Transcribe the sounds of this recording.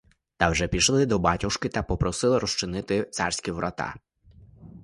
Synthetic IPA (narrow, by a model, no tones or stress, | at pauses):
t̪ɑwʒɛpʲiʃlˠɪd̪ɔbɑtʲʊʃkɪt̪ɐpɔpɾɔsɪlˠɪɾɔst͡ʃɪnɪt̪ɪt̪sɑrsʲkʲiʋɾʔɐt̪ɑ̰